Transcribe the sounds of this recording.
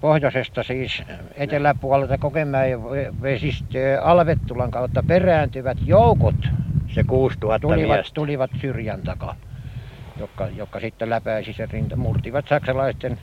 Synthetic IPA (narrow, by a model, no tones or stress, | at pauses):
pohjosest̪ɑsiːs | et̪elːˑæpuɑlet̪ɑkokemˑæːjjɑʋeʋesist̪øːɑlʋet̪ːulɑŋkɑut̪ːɑperæːnt̪yʋæt̪joukot̪sekuːst̪uhɑt̪uliʋɑt̪uliʋɑt̪syrjænt̪ɑkɑ̰ | jokːɑjokːɑsit̪ːelæpæisiserint̪murt̪iʋɑt̪sɑksɑlɑist̪en